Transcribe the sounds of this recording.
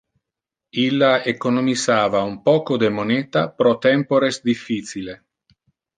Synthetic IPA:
ilːaekonomizaːvaumpɔːkod̪emonɛːt̪apɾɔt̪ɛmpoɾesd̪ifːisile

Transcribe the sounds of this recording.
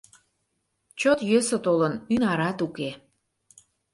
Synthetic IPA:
t͡ɕot̪jøsət̪olənynɑɾɑt̪uke

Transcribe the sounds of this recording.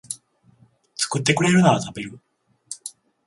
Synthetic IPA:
t͡sɨ̥kɯ̟t̪̬ːe̞kɯ̟ɾe̞ɾɯnaβat̪abe̞ɾɯ̟

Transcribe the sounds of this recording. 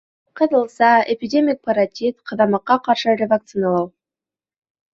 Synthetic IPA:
qʰəd̪əlˠsɑepʲidʲemʲik̚pʰɑɾat̪ʲit̪qʰɑd̪ɑmɑqːɑqʰɑɾʃəɾʲevak̚t̪sɨnɑlˠɑw

